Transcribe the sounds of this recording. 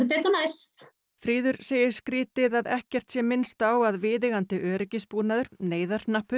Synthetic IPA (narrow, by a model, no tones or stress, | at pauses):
ʏpɛːt̪anajst̪ | fɾiːðʏɾseːjɪɾ̥skɾiːt̪ɪðaðɛhcɛr̥t̪sjɛmːɪnst̪awaðvɪːðɪɣant̪ɪʔœːɾɪcɪspuːnaðʏɾ̥neːjðaɾnahpːʏ